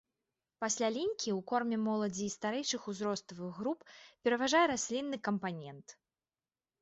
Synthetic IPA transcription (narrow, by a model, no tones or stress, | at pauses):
pasʲlʲalʲinʲkʲiwkɔrmʲɛmɔlˠɐd͡zʲiːst̪aɾɛjt͡ʂɨxuzɾɔst̪ˠɐvɨɣːɾuppʲɛɾɐvaʐajɛɾasʲlʲinːɨkɐmpanʲɛnt̪